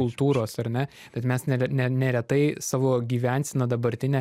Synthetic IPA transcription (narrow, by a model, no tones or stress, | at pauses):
ʊlˠt̪uːɾoːsɐrnʲɛ | b̥ʲɛt̪mʲɛsnʲɛɛnʲɛnʲɛɾʲɛt̪ɐɪsɑːʋoːɡʲiːʋʲænʲsʲɪnɐd̪ɐbɐɾʲt̪ʲɪnʲɛː